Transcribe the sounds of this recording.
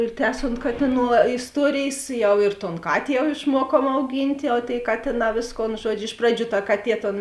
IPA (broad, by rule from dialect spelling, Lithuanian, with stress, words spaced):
ɪr ˈtʲæːsoːnt ˈkɑːtʲɪˌnuː ʋɐ ɪsˈtuɔrʲeːjeːs ˈjɛʊ ɪr toːn ˈkɑːtʲeː jɛʊ ɪʃˈmuɔkuɔm ɐʊˈɡʲiːnʲtʲ jɛʊ tʲeːɪ ˈkɑːtʲeːˌnɑː ˈʋʲeːsˌkoːn ˈʒuɔd͡ʒʲʊ ˈɪʃ prɐˌd͡ʒʲuː tɐ ˈkɑːˌtʲiɛ toːn